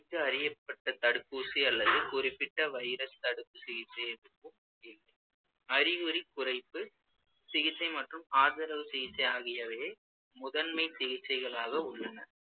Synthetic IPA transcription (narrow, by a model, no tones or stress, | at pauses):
kːɯɐɾɪjɐpːɐʈːɐt̪ɐɽɯkːuːsiɐlːɐðɯkʊrɪpːɪʈːɐʋɐɪɾɐst̪ɐɽɯpːɯsɪɣɪt͡ʃːɐɪɛʋɪkːɯm | ɪlːɐɪ | ɐɾɪɣɯɾikʊrɐɪpːɯ | sɪɣɪt͡ʃːɐɪmɐʈrɯmaːðɐɾɐʋɯsɪɣɪt͡ʃːɐɪjaːɣɪjɐʋeː | mʊðɐnmɐɪsɪɣɪt͡ʃːɐɪɣɐɭaːɣɐʊɭːɐnɐɾ